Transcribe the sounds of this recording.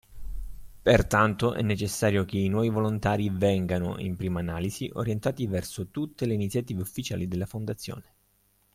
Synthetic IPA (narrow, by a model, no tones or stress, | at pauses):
pert̪ant̪oʔɛ̰nːet͡ʃesːaːɾjok̟einwɔːvivolont̪aːɾivɛŋɡano̰ʔḭmpɾiːmaːnaːliziʔo̰ɾjent̪aːt̪ivɛrsot̪ut̪ːeleinit̪sjat̪iːveufːit͡ʃa̰ːlid̪elːafond̪at̪sːjo̰ːne